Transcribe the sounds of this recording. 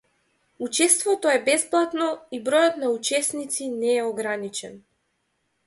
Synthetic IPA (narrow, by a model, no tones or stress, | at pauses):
ut͡ʃɛst̪vɔt̪ɔɛbɛsplˠat̪nɔibɾɔjɔt̪naut͡ʃɛsnit̪sinɛɛɔɡɾanit͡ʃɛn